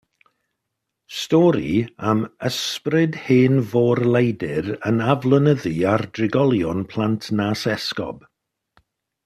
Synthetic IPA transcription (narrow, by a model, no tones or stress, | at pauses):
stɔɾḭəməsprɪd̥heːnvɔːrlˠejdɪɾənavlˠənəðiardrɪɡɔlˠjɔnpʰl̥ˠantʰnaːsɛskɔ̰b̥